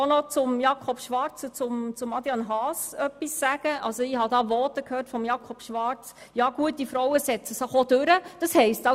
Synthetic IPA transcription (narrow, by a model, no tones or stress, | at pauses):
onɔt͡sʊmjɑːkʰɔb̥ʃʋɑɾt͡sət͡sʊmt͡sʊmɑdjɑnɦɑːsœpːisːæɡ̥əʔɑ̰lsoɪhɑdɑːʋɔtəkhøːrtfɔmjɑːkʰɔb̥ʃʋɑɾt͡s | jɑːɡ̥uət̚difɾɔwəsɛt͡səsəχod̥øɾəd̥ɑshɛɪstɑ